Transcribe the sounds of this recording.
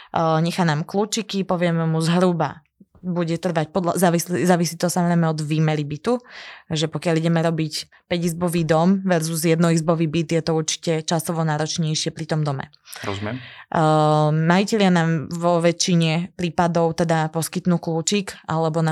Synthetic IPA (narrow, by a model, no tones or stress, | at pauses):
ɲɛxanaːmkluːt͡ʃikipɔʋɪɛmɛmuzɦɾuba̰ | buɟɛt̪r̩ʋac̚pɔd̪lazaːʋislizaːʋisiːt̪ɔsamɔzɾɛɪmɛɔd̪ʋiːmɛlibit̪uʒɛpɔkɪaliɟɛmɛɾɔbic | pɛɟizbɔʋiːd̪ɔmʋɛɾzuzjɛd̪nɔizbɔʋiːbit̪jɛt̪ɔuɾt͡ʃi̥cɛt͡ʃasɔʋɔnaːɾɔt͡ʃɲɛjʃɪɛpɾit̪ɔmd̪ɔmɛ̰ | ɔɛ | maicɛʎɪanaːmʋɔʋɛt͡ʃːiɲɛpɾiːpad̪ɔʊt̪ɛd̪apɔskit̪nuːkluːt͡ʃikʔalɛbɔna